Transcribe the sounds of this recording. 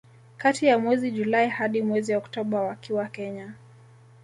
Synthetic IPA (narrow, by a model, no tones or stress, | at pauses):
katijamwɛziʄulaihaɗimwɛziɔktɔɓawakiwakɛɲa